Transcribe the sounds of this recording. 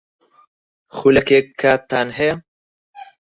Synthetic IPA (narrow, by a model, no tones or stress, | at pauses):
xulɐkeːkʰːaːt̪ːaːnɦɛjɐ